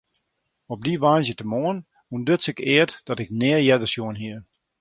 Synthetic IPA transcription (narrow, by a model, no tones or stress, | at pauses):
ɔb̚diʋaːnzjətəmoən | undøtsɪkɪətd̥ɔtɪknɪəjɛdəsjoənɦiə